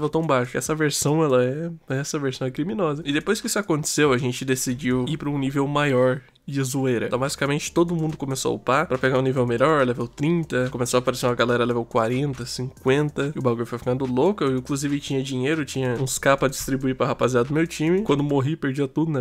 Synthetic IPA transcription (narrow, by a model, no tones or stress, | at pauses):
vowt̪ɐ̃w̃baʃʊɛsɐveɾsɐ̃w̃ɛlɐɛɛsɐveɾsɐ̃w̃ɛkɾiminɔzɐɪd̪epojskɪisʊakõnt̪e̥sewɐʒẽnt͡ʃɪd̪esid͡ʒiwipɾɐũnivewmajɔɾ | d͡ʒɪzuejɾɐt̪ɐ̃bazi̥kɐmẽnt͡ʃɪ̥t̪od̪ʊmũnd̪ʊkõmesoɐṵpapɾɐpeɡaũnivewmeʎɔɾɛlevewt̪ɾĩnt̪ɐkõmesoapaɾesẽnd̪ɐɡalɛɾɐlevewkwaɾẽnt̪ɐsĩkwẽnt̪ɐɪʊbaɡojʊfojfikɐ̃nd̪ʊlokĩkluzivɪt͡ʃĩɲɐd͡ʒĩɲejɾʊt͡ʃĩɲɐũɪskapɐd͡ʒist̪ɾibuipɾɐɦapaziad̪ʊmewt͡ʃĩmɪkwɐ̃nd̪ʊmoɦipeɾd͡ʒiɐt̪ud̪ʊnɛ